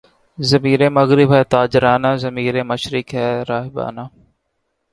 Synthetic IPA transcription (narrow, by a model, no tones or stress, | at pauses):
zɐmiːɾeːmɐɣɾɪbɦɛːt̪aːd͡ʒɪɾaːnaːzɐmiːɾeːmɐʃɾɪkɦɛːɾaːɦba̰ːnaː